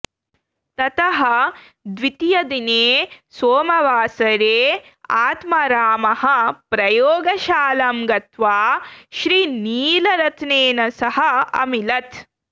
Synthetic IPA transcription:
t̪ɐt̪ɐɦɐ̆ | d̪ʋit̪jɐd̪ineːsoːmɐʋaːsɐɾeː | aːt̪mɐɾaːmɐhɐ̆pɾɐjoːɡɐʃaːlɐmɡɐt̪ʋaːʃɾiːniːlɐɾɐt̪ʰneːnɐsɐɦɐɐ̰milɐt̪

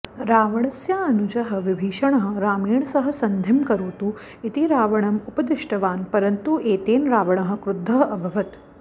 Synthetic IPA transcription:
ɾaːʋɐɳ̃ɐsjaːɐnud͡ʒɐɦɐ̆ʋibʱiːʃɐɳ̃ɐɦɐɾaːmeːɳ̃sɐɦɐ̆sɐnd̪ʱɐmkɐɾoːt̪u | it̪iɾaːʋɐɳ̃ɐmupɐd̪ɪʂʈɐʋaːnpɐɾɐnt̪uʔeːt̪eːnɾaːʋɐɳ̃ɐɦə̆kɾʊd̪ʱːɐɦɐbʱɐʋɐt̪

